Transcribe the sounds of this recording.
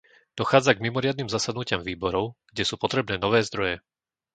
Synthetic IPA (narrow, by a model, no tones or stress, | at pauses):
d̪̥ɔxaːd͡zaɡmimɔɾɪad̪niːmzasad̪nucɪamviːbɔɾɔʊɡ̥ɟɛsuːpɔt̪ɾɛbnɛːnɔʋɛːzd̪ɾɔjɛ